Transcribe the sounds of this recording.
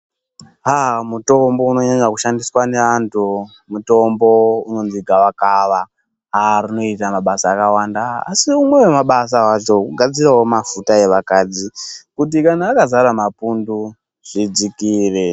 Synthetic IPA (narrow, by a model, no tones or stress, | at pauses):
ɦamuto̞mbo̞uno̞ɲaɲakuʃandiswane̞ʋantʰu | muto̞mbo̞uno̞nziɡʱawakaʋa | ɦaɾino̞itamaɓasaːkawanda̰ːsiumwe̞we̞maɓas̬awat͡ʃo̞uɡʱad͡zirawomafutae̞ʋakaːd͡zikut̬ikanaːkazaɾamapundu | ʐ̥id͡zikiːre